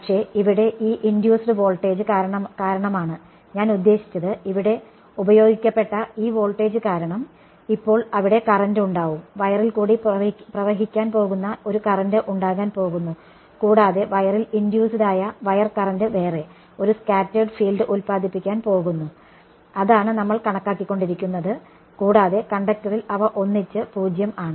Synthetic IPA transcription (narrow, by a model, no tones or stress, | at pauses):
pɐkʂe̞ːiʋiɽe̞ʔiːʔindjuːsɖɨʋo̞ːlʈːe̞ːd͡ʑɨkaɾɐɳɐmkaːɾɐɳɐmaːɳɨ | ɲaːnud̪ːe̞ːɕi̥t͡ɕːɐðɨiʋiɽe̞ | ubɐjo̞ːɡikʲːɐpːe̞ʈːɐiːʋo̞ːɭʈːe̞ːd͡ʑɨkaːɾɐɳɐm | ipːo̞ːɭɐʋiɽe̞kɐrɐnduɳɖaːʋumʋɐjɐrilkuːɽiprɐʋɐɦikʲːaːnpo̞ːɣunːɐo̞ɾukɐrɐndɨʔuɳɖaːɣaːnpo̞ːɣunːu | kuːɽaːðe̞ʋɐjɐrilindjuːsiðaːjɐʋɐjɐrkɐrɐndɨʋe̞ːre̞ | o̞ɾuskaːtːɐɖɨfiːlɖɨʔulpaːd̪ʱipːikʲːaːnpo̞ːɣunːu | ɐðaːɳɨnɐmːɐɭkɐɳɐkːaːkːikːo̞ɳɖiɾikʲːunːɐðɨ | kuːɽaːðe̞kɐɳɖɐk̚tɐrilɐʋɐʔo̞nːit͡ɕːɨpuːd͡ʑjɐmaːɳɨ